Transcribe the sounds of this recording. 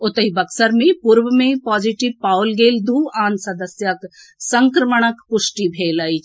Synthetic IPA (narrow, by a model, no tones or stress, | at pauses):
ot̪ɐɦibɐksɐɾmẽpuɾʋəmẽpaːd͡ʒiʈiʋpaːwlɡeːld̪ʱuːaːnsɐd̪əsjɐk | sɐŋkɾɐməɳ̃ɐkpʊʃʈibʱeːlɐi